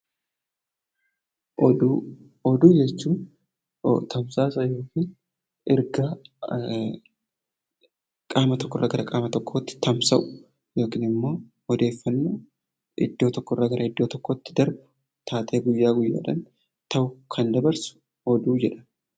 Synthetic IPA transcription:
ʔɔd̪uː | ɔd̪uːd͡ʒɛt͡ʃːuːn̰ | t̪ʰɐmsaːsɐjo̞ːkiːn | ɪɾɡaː | kʼaːmɐt̪ɔkːɔrːɐɡɐɾɐkʼaːmɐt̪ɔkːo̞ːt̪ːɪ̥t̪ɐmsɐʔʊ̥ | jo̞ːkiːnɪmːo̞ː | ɔd̪e̞ːfːɐnːuː | ɪ̰d̪ːo̞ːt̪ɔkːɔrːaɡɐɾʔɐɪd̪ːoːt̪ɔkːoːt̪ːɪ̥d̪ɐɾbʊ̥ | t̪ʰaːt̪ʼeːɡʊjːaːɡʊjːa̰ːᶑɐn | t̪ɐwʊkʰɐnd̪ɐbɐɾsʊ̥ | ɔd̪uːd͡ʒɛᶑɐ̥

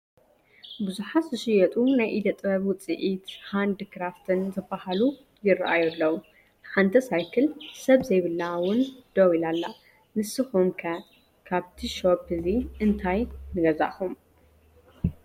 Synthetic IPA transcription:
bɨzuħat̪zɨʃɪjɛt̪ʼunajʔid̪ɐt̪ʼbɐβwʊt͡sʼɨ̰ʔit̪hand̪ɨkʰɾaft̪ʰɨnzɐbːahalu | jɪrɐʔajulːɐwu | ħant̪ʰɐsajkʰɨlsɐβzɐjβɨlːawʊnd̪̥ɐwilalːa | nɨsɨxumkʰɐ | kʰaβt̪ʰiʃophɨziʔɨnt̪ʰajnɨɡɐza̰xum

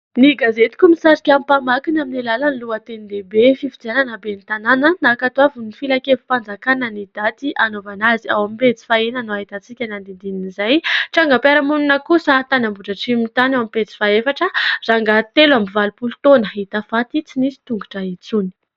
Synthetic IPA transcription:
niɡazet̪i̥kumisaɾikʲampamakinaminelalaniluat̪enid̪ebefifid͡zananabenit̪ananənakat̪uavunifilakefi̥pand͡zakanənid̪̥at̪ianovanaziawamipet͡si̥faenanoaɦit̪at͡sikʲanand̪ind̪ininizajʈ͡ʂaŋɡapaɾamuninəkusat̪anambuʈ͡ʂaʈ͡ʂimit̪anewamipet͡si̥faefaʈ͡ʂəraŋɡat̪elambivalupulut̪onəɦit̪afat̪it͡sinisi̥t̪uŋɡuʈ͡ʂait͡suni̥

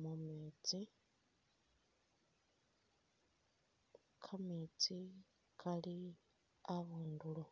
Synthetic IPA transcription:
mumeːt͡si | kʰamiːt͡si | kʰali | aβuːnduɺu

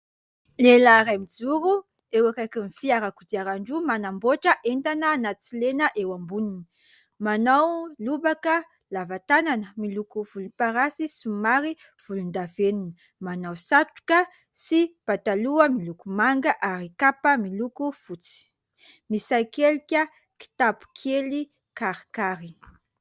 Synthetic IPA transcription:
lelaɾamid͡zuɾu | ewakakimifiaɾakud̪iaɾaɳɖ͡ʐumanamboʈ͡ʂəʔent̪anənat͡silenəʔewambunini | manawlubakə | lavat̪ananəmilukuvuluipaɾasisumaɾi | v̥ulund̪avenini | manawsaʈ͡ʂu̥kə | sipat̪aluəmilukumaŋɡəʔaɾikapəmilukufut͡si̥ | misajkelikʲə | ki̥t̪apu̥kʰeli | kaɾikaɾi

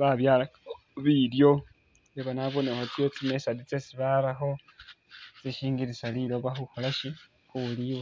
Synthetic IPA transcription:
βaβjaːla | βiljo̞ | jeβanaβonexot͡siot͡simesadit͡sesiβalaxo̞ | t͡siʃiːŋɡiɾisaliloβaxuxolaʃi | kuliwo

